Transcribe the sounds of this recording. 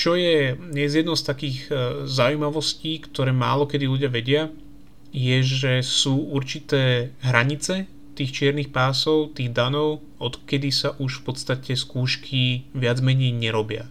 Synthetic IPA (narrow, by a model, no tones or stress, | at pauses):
t͡ʃɔjɛɲɛzjɛd̪nɔʊst̪akiːɣzaujmaʋɔsciːkt̪ɔɾɛːma̰ːlɔkɛd̪iluɟɪaʋɛɟɪa | jɛʒɛsuːuɾt͡ʃit̪ɛːɦɾaɲit͡sɛ | t̪iːxt͡ʃɪɛɾnixpaːsɔʊt̪iːɣd̪anɔʊ | ɔt̪kɛd̪isaʔuʃfpɔt̪st̪acɛskuːʃkʰiʋɪad͡zmɛɲɛjɲɛɾɔbɪa̰